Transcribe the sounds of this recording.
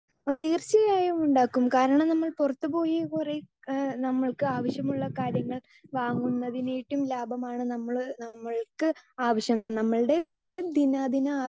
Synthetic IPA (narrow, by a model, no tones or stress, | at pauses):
ɐt̪iːrt͡ɕɐjaːjumuɳɖaːkːumkaːɾɐɳɐmnɐmːɐɭpurɐt̪ːɨpo̞ːjikure | nɐmːɐɭkɨaːʋɐɕjɐmuɭːɐkaːɾjɐŋːɐɭ | ʋaːŋːunːɐðinejiʈːumlaːbʱɐmaːɳɨnɐmːɐɭnɐmːɐɭkɨaːʋɐɕjɐmnɐmːɐɭɨɽe̞ | d̪inaːd̪inɐ